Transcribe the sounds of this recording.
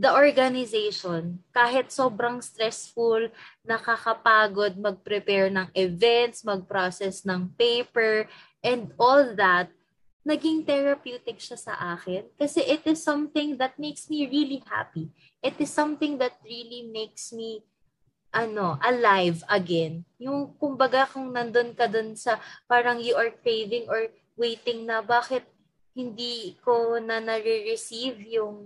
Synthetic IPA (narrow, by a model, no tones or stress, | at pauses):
d̪ɐʔoɹɡɐnɪzejʃonkaːɦɪt̪̚soːbɾɐŋst̪ɹɛsfulnɐkakɐpaːɡod̪̚mɐɡ̚pɾɛpɛɹnɐŋʔɪvɛnt̪smɐɡ̚pɹosɛsnɐŋpejpɛɹ | ʔɛnd̪ʔolðɐt̪̚ | nɐɡiŋt̪ɛɹɐpjuːt̪ɪkʃɐsɐ̰ʔaːkɪnkɐsɛʔɪt̪ɪsːɐ̃mθɪ̃ŋðɐt̪̚mejksmiɹiliha̰pi | ʔɪt̪ɪsːɐ̃mθɪ̃ŋðɐt̪̚ɹilimejksmi | ʔɐno̞ʔɐlajvɐɡɛnjʊŋkʊmbɐɡakʊŋnɐnd̪onkɐd̪onsɐpaːɾɐŋjʊʔɐɹkɹejðɪ̃ŋoɹ | wejt̪ɪŋnɐbaːkɪt̪̚ | hɪnd̪ikonɐnɐɹɛɹɪsivjʊŋ